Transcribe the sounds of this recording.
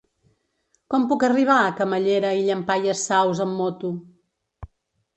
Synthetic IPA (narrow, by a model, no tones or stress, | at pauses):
kɔmpukəriβ̞aəkəməʎeɾəiʎəmpajəsawzəmːɔt̪u